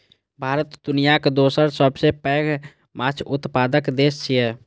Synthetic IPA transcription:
bʱaːɾət̪d̪ʊnijaked̪oːsəɾsəbsepɛːɡ | mat͡ʃʰʊt̪paːd̪əkd̪eːst͡ʃʰiɛː

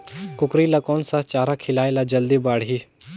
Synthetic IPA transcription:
kʊkɾiːlakɔːnsat͡ʃaːɾaːkʰɪlaːelaːd͡ʒəld̪ibaːɽɦiː

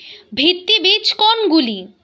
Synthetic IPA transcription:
bʱit̪ːibit͡ɕkonɡuli

